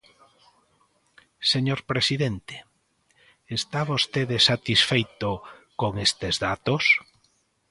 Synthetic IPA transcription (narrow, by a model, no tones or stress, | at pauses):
seɲoɾpɾesiðent̪e̥ | est̪aβost̪eðesat̪isfejt̪okoŋest̪ezðat̪os